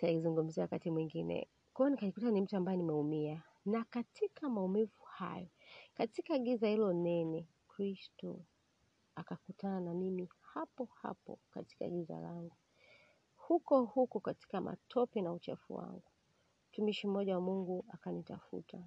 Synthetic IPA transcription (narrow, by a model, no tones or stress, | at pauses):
taizuŋɡum̩ziawakatimwiŋɡinɛ̰ | kwɔɔnikaɲikutanim̩tuambajɛnimɛumia | nakatʰikʰamaumivuha̰jɔkatikaːɠizahilɔnɛnɛ | kɾistɔ | akakutananamimihapɔha̰pɔ̰ka̰ti̥ka̰ɠiza̰laŋɡu | hukɔhukɔkati̥kamʔa̰tʰɔpinaut͡ʃɛ̰fṵwa̰ŋɡu | m̩tumiʃim̩ɔʄawamuŋɡuakanitafṵtʰa